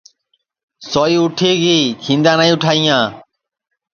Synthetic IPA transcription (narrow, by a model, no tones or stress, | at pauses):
sɔiʊʈʰeːɡiːkʰĩnd̪aːnaĩʊʈʰaːijãː